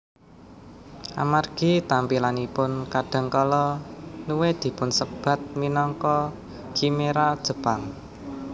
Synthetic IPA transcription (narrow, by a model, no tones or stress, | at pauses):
ʔa̰marɡ̥i̤t̪ampilanipʊnkaɖ̥a̤ŋkɔlɔnuwed̪̥i̤pʊnsəb̥a̤t̪̚minɔŋkɔ | ɡ̥imeɾad̥ʒ̥ə̤paŋ